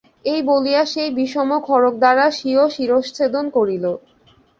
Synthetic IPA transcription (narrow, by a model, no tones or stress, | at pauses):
ejbolijaʃejbiʃɔmokʰɔɾok̚d̪aɾaʃioʃiɾoʃt͡ɕʰed̪onkoɾilo